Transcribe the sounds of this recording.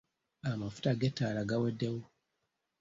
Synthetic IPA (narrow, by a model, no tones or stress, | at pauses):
amafu̥taɡɛtaːɾaɡawɛdewu